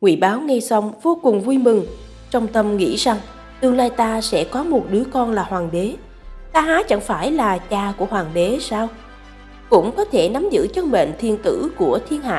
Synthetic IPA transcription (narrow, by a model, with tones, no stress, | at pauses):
ŋwḭ˧˩ɓaː˨˦wŋɛ˧jsa˧wŋ͡mvo˧kʊ˨˩ŋ͡mvu˧jmɨ˨˩ŋ | t͡ɕɔ˧wŋ͡mt̪ə˧mŋḭ˧˥za˧˩ŋ | t̪ɨ˧wlaː˧jt̪aː˧sɛ̰˧˥kɔ˨˦mo˨˩t̚ɗɨ˨˦əkɔ˧nlaː˨˩hwaː˨˩ŋɓe˨˦ | t̪aː˧ɦaː˨˦t͡ɕa̰˧˩ŋfaː˧˩jlaː˨˩t͡ɕaː˨˩ku˧˩əɦwaː˨˩ŋɓe˨˦saː˧w | kʊ̰˧˥wŋ͡mkɔ˨˦t̪ʰe˧˩na˨˦mzɨ̰˧˥t͡ɕə˧nɓḛ˧˨nt̪ʰi˧ənt̪ɨ̰˧˥ku˧˩ət̪ʰi˧ənha̰ː˧